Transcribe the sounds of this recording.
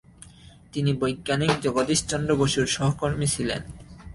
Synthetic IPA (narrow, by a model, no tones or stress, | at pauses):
t̪inibojɡːanikd͡ʑɔɡod̪iʃt͡ɕɔnd̪ɾoboʃuɾʃɔɦokoɾmisʰilḛn